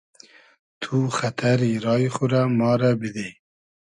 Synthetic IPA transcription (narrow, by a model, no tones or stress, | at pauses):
t̪ʰuxat̪ʰaɾiɾɑːjχʊɾamɑːɾabid̪e